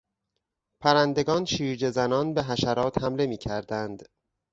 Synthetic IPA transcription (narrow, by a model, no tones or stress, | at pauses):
pʰæɾænd̪e̞ɡɒːnʃiːɾd͡ʒe̞zænɒːnbe̞ɦæʃæɾɒːt̪hæmle̞miːcʰæɾd̪ænd̪